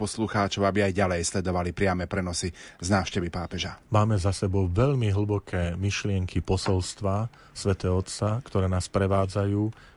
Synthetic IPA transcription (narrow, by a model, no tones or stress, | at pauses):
pɔsluxaːt͡ʃɔʊabiajɟalɛjslɛd̪ɔʋalipɾɪamɛpɾɛnɔsiznaːʊʃcɛʋipaːpɛʒamaːmɛzasɛbɔʊʋɛʎmiɦl̩bɔkʰɛːmiʃlɪɛŋkipɔsɔlst̪ʋa | sʋɛt̪ɛːɔt̪t͡sakt̪ɔɾɛːnaːspɾɛʋaːd͡zajuː